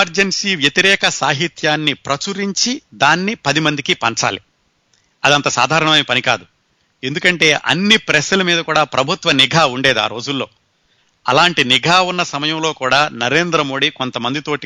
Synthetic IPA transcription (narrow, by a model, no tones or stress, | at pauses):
ɐɾd͡ʒensiːʋjɐt̪iɾɛːkɐsaːɦit̪jaːnːipɾɐt͡ʃuɾiɲt͡ʃid̪aːnːipɐd̪imɐnd̪ikipɐɲt͡ʃa̰ːli | ɐd̪ɐnt̪ɐsa̰ːd̪ʱaːɾɐɳɐmɐːnipɐnika̰ːd̪u | e̞nd̪ukɐɳʈe̞ːʔɐ̰nːipɾɛsɐlɐmiːd̪ɐkuːɽaːpɾɐbʱut̪ʋɐniɡʱaːuɳɖeːd̪ua̰ːɾo̞ːd͡ʒulːo̞ː | ɐlaːɳʈiniɡʱaːunːɐsɐmɐjɐmlo̞ːkuːɽaːnɐɾe̞ːnd̪ɾɐmo̞ːɽiko̞nt̪ɐmɐnd̪it̪o̞ːʈi